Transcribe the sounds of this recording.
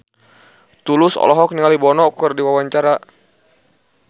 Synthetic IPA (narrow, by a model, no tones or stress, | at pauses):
t̪ulʊsɔ̰lɔɦɔk̚niŋalibɔnɔkɨrdiwawaɲt͡ʃaɾa